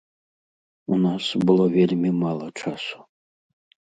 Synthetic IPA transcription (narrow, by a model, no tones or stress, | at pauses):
unasbɨlˠovʲelʲmʲemalˠɐʈ͡ʂʰaso̥